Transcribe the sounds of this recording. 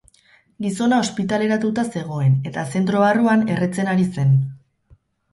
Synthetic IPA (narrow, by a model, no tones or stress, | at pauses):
ɡiso̞nao̞spit̪ale̞ɾat̪ut̪ase̞ɣ̞o̞e̞ne̞t̪ase̞nt̪ɾo̞βaruane̞ret͡se̞naɾise̞n